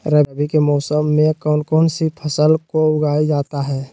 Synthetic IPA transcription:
ɾɛːbikemɔːsəmːẽkɔːnkɔːnsipʰəsəlkoʊɡaːid͡ʒaːt̪aɦɛː

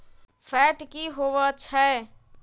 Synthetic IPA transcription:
pʰɛʈkiɦoʋət͡ʃʰə

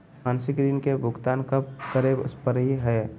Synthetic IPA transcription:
maːnsɪkd̪inkebʱʊɡt̪aːnkəbkəɾeb̰spəɾɦiɦɛː

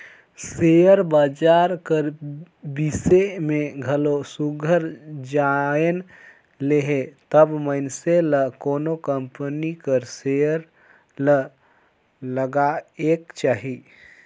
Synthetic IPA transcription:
sejəɾbaːd͡ʒaɾkəɾ | bisemẽɡʱəlosuɡʱəɾd͡ʒaen | leɦet̪əbməɪnseləkoːnokəmpənikəɾsejəɾ | lə | ləɡaekt͡ʃaːɦi

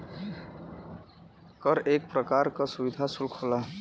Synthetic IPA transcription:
kəɾeːk̚pɾəkaːɾkəsubɪd̪ʱasulkʰola

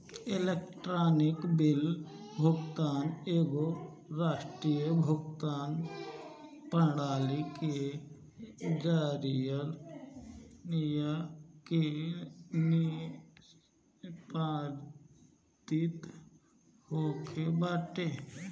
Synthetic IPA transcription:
elekʈɾaːnɪkbɪl | bʱʊɡt̪aːneːɡo | ɾaːʃʈɾijəbʱʊɡt̪aːn | pəɽaːlike | d͡ʒaːɾijəl | nijake | n | paːɾ | t̪it̪ | hoːkʰebaːʈe

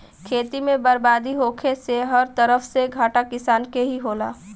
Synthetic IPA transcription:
kʰeːt̪imẽbɐɾbaːd̪iɦoːkʰeseɦɐɾt̪əɾəfseɡʱaːʈakɪsaːnkeɦiɦoːlaː

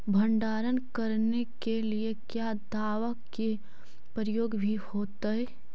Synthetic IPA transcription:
bʱə̃ɳɖaːɾənkəɾnekeliekjaːd̪ʱaːwək | e | pəɾəjoːɡbʱihoːt̪əɛ

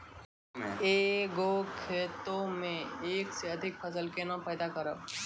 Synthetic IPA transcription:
eːɡokʰeːt̪õmẽeːkseɐd̪ʱɪk̚pʰəsəlkenapɛːd̪akəɾə

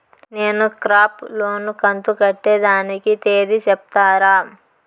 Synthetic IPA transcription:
neːnukɾaːplo̞ːnukɐnt̪ukɐʈːeːd̪aːnikit̪eːd̪it͡ʃɛp̚t̪aːɾaː

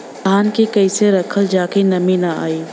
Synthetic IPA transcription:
aːnkikɐɪseɾɐkʰəld͡ʒaːkenɐminaa̰ːiː

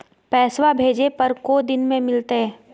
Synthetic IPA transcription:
pɛːswabʱeːd͡ʒepɐɾkod̪ɪnmẽmɪlt̪eɦɛː

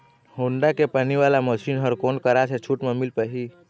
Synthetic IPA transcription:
hoːɳɖakepəniʋalaməʃinɦəɾkoːnkəɾat͡ʃʰet͡ʃʰuʈmemilpəɦi

